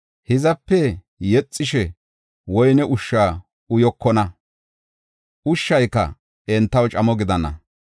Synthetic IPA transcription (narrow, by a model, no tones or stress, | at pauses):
hɪzɐpːɛ | jɛt͡sʼːɪʃɛ | wɔjnɛʔʊʃːaː | ʊjɔkːɔnɐ | ʔʊʃːɐjkːɐ̰ | ɛnt̪ːɐwt͡ʃʼɐmɔɡɪd̪ɐnɐ̰